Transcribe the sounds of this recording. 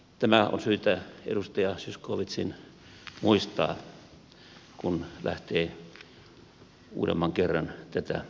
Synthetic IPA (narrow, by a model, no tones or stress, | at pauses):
t̪æmæo̰nsyːt̪æḛdust̪ɑjɑsyskoːʋit̪sin | muist̪ɑ̰ː | kunlæ̰ht̪eː | ṵːɾḛmːɑŋkerːɑnt̪æt̪æ̰